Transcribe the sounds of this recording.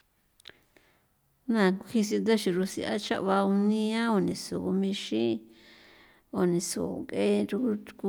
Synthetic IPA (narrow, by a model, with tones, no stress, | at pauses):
nã˨ku˧hi˧s̬i˧d̪a˦ʃi˧ɾu˧sḭ˧a˦t͡ʃa̰˦ʔβa˧u˧nĩ˧ã˦o˧˨nĩ˨so˨u˧mĩ˧ʃĩ˦ | o˨nĩ˨so̰˨kʼe˦ɾu˧u˧ku˧